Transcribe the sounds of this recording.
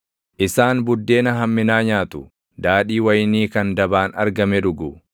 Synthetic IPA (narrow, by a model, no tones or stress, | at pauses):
ʔɪsaːnbʊd̪ːe̞ːnɐɦɐmːɪnaːɲaːt̪ʊ | d̪aːᶑiːwɐjɪniːkɐnd̪ɐbaːnɐɾɡɐmɛᶑʊɡʊ